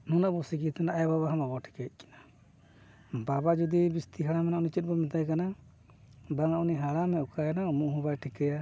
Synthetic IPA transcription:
nunaʔbɔsikit̪ʰanaʔajababaɦãbabɔʈʰi̥kɛt̪̚ˀkʰɛ̥na | babad͡ʒɔd̪ibist̪iɦaɽamɛnaʔunit͡ʃɛt̪̚ˀbɔmɛt̪ajkana | baŋaʔuniɦaɽamɛukajanaumuʔɦũbajʈʰikɛja

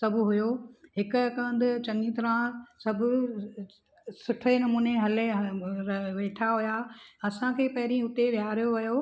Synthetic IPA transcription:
sɐbʱʊɦʊjoɦɪkʊɐkə̃nd̪ʊ̆t͡ɕɐ̃ŋit̪ɐɾãsɐbʱʊ̆ | sʊʈʰenɐmuːneɦɐle | ʋeːʈʰaɦʊjaɐsãkʰeːpɐɦɪɾĩʊt̪eʋjaːɾijoʋɐjo

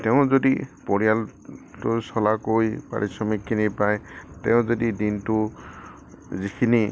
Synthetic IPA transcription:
teʊ̃zodipoɽijaltusɔlakojpa̰ɽisɔmikʰːinipajtḛʊ̃zodidintu | zikʰini

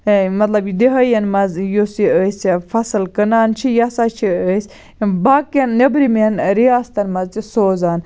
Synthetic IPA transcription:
mɐt̪lɐbjid̪eɦɐjɐnmɐzjosiəsfɐsɨlkənaːnt͡ʃʰijasat͡ʃʰiəsʲ | baːkɐnːɐbɾimenɾiaːst̪ɐnmɐzt͡ʃisoːzaːn

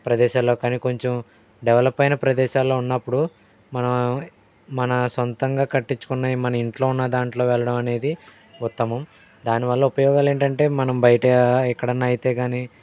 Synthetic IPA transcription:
pɾɐd̪ɛːʃaːlːo̞ːkaːniko̞ɲt͡ʃom | ɖɛʋɐlɐpːɐjnɐpɾɐd̪ɛːʃaːlːo̞ːunːɐpːuɽu | mɐnɐm | mɐnɐsont̪ɐŋɡaːkɐʈːiɲt͡ʃːu̥kunːaːjimɐnɐmiɳʈlo̞ːunːɐd̪aːɳʈlo̞ːʋɛɭːɐɽɐmɐne̞ːd̪i | ut̪ːɐmɐm | d̪aːniʋɐɭːɐupɐjɔːɡaːle̞ːɳʈɐɳʈe̞ːmɐnɐmbɐjɐʈɐɛkːɐɽɐnːaːjit̪e̞ːɡaːni

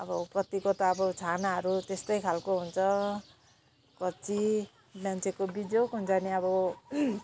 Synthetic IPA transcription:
ʌbʌkʌt̪ikot̪ʌːbʌt͡sʰanaɦʌɾut̪est̪ʌjkʰalkoɦunt͡sʰʌ | kʌt͡si | mjant͡sʰekobid͡zjokɦunt͡sʌniʌbʌ

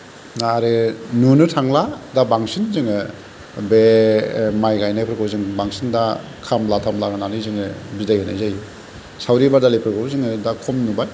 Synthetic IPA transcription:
aɾenunɯtʰaŋladabaŋsinzɯŋɯ | be | majɡajnajpʰɾkʰawzɯŋbaŋsinda | kʰamlatʰamlaɡɯnanɯjzɯŋɯbidajhɯnajzaj | sawɾibadalipʰɯɾkɯwzɯŋɯdakʰɔmnubaj

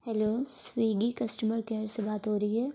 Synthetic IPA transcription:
hɛloːswiːɡikɐsʈəməɾkeːɾsebaːt̪ɦoːɾɐɦiɦɛː

